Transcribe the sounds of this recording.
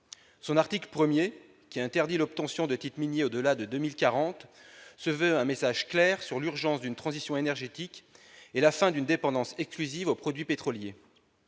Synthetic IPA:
sɔ̃naʁt̪ikləpχəmje | kʲiɛ̃t̪ɛʁd̪ilɔp̚t̪ɑ̃sjɔ̃d̪ət̪it̪minjeod̪əlad̪əd̪ømilkaʁɑ̃t̪səvøɛ̃mesaʒklɛːʁsyʁlyʁʒɑ̃sd̪ynt̪χɑ̃zisjɔ̃enɛʁʒet̪ikelafɛ̃d̪ynd̪epɑ̃d̪ɑ̃sɛksklyzivopχɔd̪ɥipet̪χɔlje

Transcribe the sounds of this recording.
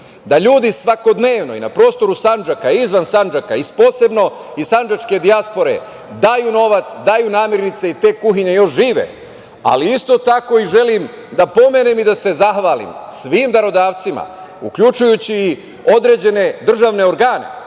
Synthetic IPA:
d̪aʎuːd̪isʋako̞d̪ne̞ːʋno̞ḭna̰pɾo̞ːst̪o̞ɾusand͡ʒakaizʋansand͡ʒaka̰ispo̞ːse̞bno̞ | isand͡ʒat͡ʃke̞d̪iaspo̞ɾe̞̰ | d̪ajuno̞ʋat̪sd̪ajunaːmjeɾnit̪se̞it̪e̞ːkuxiɲejo̞ʃʒiːʋe̞̰ | a̰liist̪o̞t̪ako̞iʒe̞lim | d̪apo̞me̞nemid̪ase̞zaxʋaːlḭmsʋiːmd̪aɾo̞d̪aːʋt̪sima̰ | ukʎut͡ʃujut͡ɕiː | o̞d̪ɾe̞d͡ʑe̞ne̞d̪r̩ʒaʋne̞o̞ɾɡaːne̞̰

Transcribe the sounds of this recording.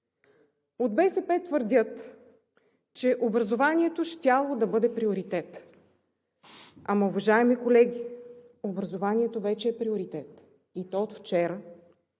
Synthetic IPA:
od̪̚bɛsɛpɛt̪vəɾd̪ʲət̪ | t͡ʃɛʔobɾɐzovanʲiɛt̪oʃt̪ʲalˠod̪ɐbɤd̪ɛpɾioɾit̪ɛt̪ | amɐʊvɐʒaɛmikolɛɡʲi | obɾɐzovanʲiɛt̪ovɛt͡ʃɛːpɾioɾit̪ɛt̪ | it̪ɔot̪ft͡ʃɛɾə

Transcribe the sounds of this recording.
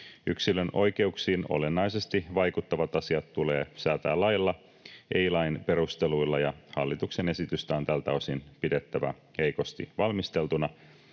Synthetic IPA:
yksiløno̞jke̞uksiːno̞̰le̞nːɑjse̞st̪iʋɑjkut̪ːɑʋɑt̪ɑsiɑt̪t̪uleːsæːt̪æːlːɑjlːɑ | ʔejlɑinpe̞ɾust̪e̞luilːɑjɑhɑlːit̪ukse̞ne̞sit̪yst̪æont̪ælt̪æosinpide̞t̪ːæʋæ̰ | he̞jko̞st̪ḭʋɑlmist̪e̞lt̪unɑ

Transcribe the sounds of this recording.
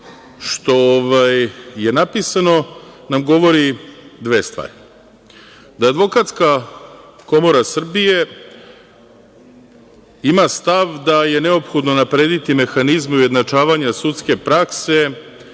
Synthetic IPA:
ʃt̪o̞ːʋajːe̞napisano̞namɡo̞ʋo̞ɾid̪ʋeːst̪ʋa̰ːɾi | d̪aːd̪ʋo̞kat̪ska | ko̞mo̞ɾasr̩bije̞ | imast̪aʋd̪aje̞ne̞o̞pxo̞d̪nonapɾe̞ːd̪it̪ime̞xanizmeuje̞d̪nat͡ʂaːʋaɲasut̪ske̞pɾakse̞

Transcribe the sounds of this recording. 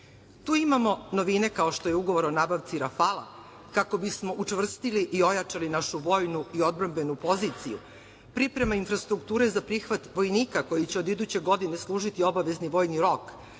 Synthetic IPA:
t̪uːimamo̞no̞ʋine̞kao̞ʃt̪o̞je̞uɡo̞ʋo̞ɾonabaʋt̪siɾafalˠa̰ | kako̞bismo̞ʔut͡ʂʋr̩st̪iliʔio̞jat͡ʂalinaʃuʋo̞ːjnuio̞d̪̚bɾambe̞nupo̞zit̪sijṵ | pɾipɾe̞mainfɾast̪ɾukt̪uːɾe̞zapɾixʋat̪ʋo̞jniːkako̞jit͡ɕeod̪id̪ut͡ɕe̞ɡo̞d̪ine̞slˠuːʒit̪io̞baʋe̞zniʋo̞ːjniɾo̞k

